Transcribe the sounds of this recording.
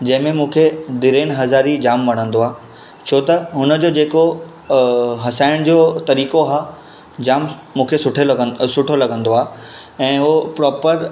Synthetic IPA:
d͡ʑɐ̃ɦɪ̃mẽmũːkʰed̪ɪɾeːnɦɐzaːɾid͡ʑaːmʋɐɽ̤̃ə̃nd̪oaː | t͡ɕʰoːt̪ɐɦʊnə̆d͡ʑoːd͡ʑeːko | ɦɐsaːɪɽ̃d͡ʑoːt̪ɐɾiːkoɦaː | d͡ʑaːmmũːkʰesʊʈʰesʊʈʰolɐɡə̃nd̪oaː | ɛ̃ːopɾɔːpəɾ

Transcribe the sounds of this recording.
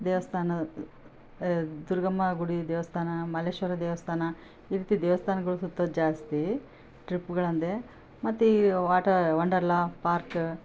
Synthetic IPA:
d̪ɛːʋɐst̪ʰaːnɐ | d̪uɾɡɐmːɐɡuɽid̪ɛːʋɐst̪ʰaːnɐmɐleːʃʋɐɾɐd̪ɛːʋɐst̪ʰaːnɐ | iːɾiːt̪id̪ɛːʋɐst̪ʰaːnɐɡɐɭusut̪ːɐd͡ʒaːst̪i | ʈɾipːɡɐɭɐnd̪e | mɐt̪ːiʋaːʈɐʋɐɳɖɐɾlaːpaːɾk

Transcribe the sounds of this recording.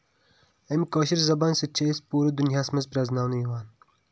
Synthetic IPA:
emkoːɕiɾzɐbaːnsɐt͡ʃʰeːspuːɾɐd̪unjaːsmɐzpɾɐznaːwnɐjiwaːn

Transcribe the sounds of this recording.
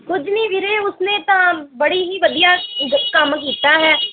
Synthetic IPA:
kʊd͡ʒnĩːʋɪɾeːʊsnẽːt̪ãːbəɽiːɦiːʋəd̪ijaːkəmk̬iːt̪aːɦɛː

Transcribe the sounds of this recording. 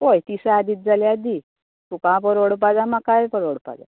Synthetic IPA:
ojt̪isaad̪it̪̚d͡zaljad̪i | t̪ukãpəɾoɽp̬ad͡zamakajpəɾoɽpa̰d͡za̰

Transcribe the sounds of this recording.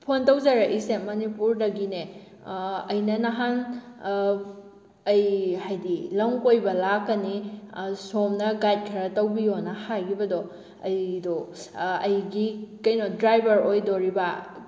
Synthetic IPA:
pʰontɐwzaɾɐʔisemɐnipuɾdɐɡine | ɐjnɐnɐɦan | ɐjhajdilɐŋkojbɐlakːɐnisomnɐɡajt̚kʰɐɾɐtɐwbijonɐhajɡʰibɐdɔ | ɐjdoɐjɡikɐjnodɾajbʱɐɾojdoɾibɐ

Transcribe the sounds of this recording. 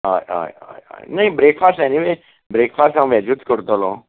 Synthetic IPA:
a̰ja̰ːja̰ja̰ːjnɐĩbɾeːkfʰaːsʈɛniʋe | bɾeːkfʰaːsʈãʋɛd͡ʒut̪kəɾt̪olõː

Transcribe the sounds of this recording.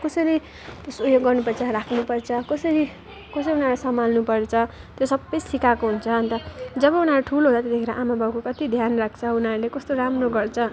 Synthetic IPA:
kʌsʌɾi | sojoɡɡʌrnupʌrt͡sʰʌɾakʰnupʌrt͡sʰʌkʌsʌɾi | kʌsʌɾiunaɾasʌmalnupʌrt͡sʰʌt̪josʌbːʌjsikakoɦunt͡sʰʌʌnt̪ʌd͡zʌbʌunaɾuʈʰuloɦot͡sat̪ʌd̪ekeɾʌʔamabʱawkokʌt̪id̪ʱjanrak̚ʰt͡sʰʌunaɾulekʌst̪oɾamroɡʌrt͡sʰʌ

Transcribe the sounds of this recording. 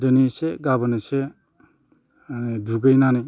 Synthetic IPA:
dɯniseɡabanase | nduɡɯjnani

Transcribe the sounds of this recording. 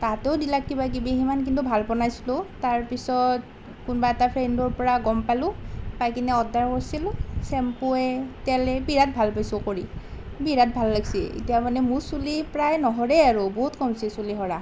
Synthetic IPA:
tatɛʊdilakːibak̬ibiɦimank̬intubʱalpɔnajsilʊ̃taɹpisɔt | kunbaɛtapʰɹendɔɹpɔɹaɡɔmpalʊ̃pajkinɛɔdaɹkɔɹsilʊsɛmpʊɛtɛlɛbiɹat̚bʱalpajsokoɹi | biɹat̚bʱalːaɡsiḭtijamanɛmʊɹsulipɹajnɔɦɔɹɛaɹʊbɔɦutkɔmsisuliɦɔɹa

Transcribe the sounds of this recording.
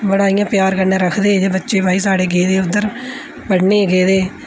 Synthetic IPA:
bəɽaːijãːpjaːɾkəɾnẽːɾəkʰd̪eːd͡ʒeːbətːʃeːbaːiːsaːɽeːɡeːd̪eːʊd̪ːəɾ | bəɽneːɡeːd̪eː

